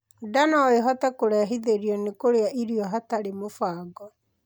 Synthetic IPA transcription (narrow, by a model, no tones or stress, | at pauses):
danɔeɦɔtɛkoɾɛaɦiðeɾiɔnekoɾeaʔiɾiɔɦataɾemofaːɡɔ